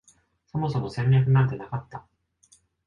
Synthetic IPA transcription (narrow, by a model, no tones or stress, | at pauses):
so̞mo̞somo̞sẽ̞nɾẽ̞ɸɯ̟nãnt̪̬e̞nakat̪ːa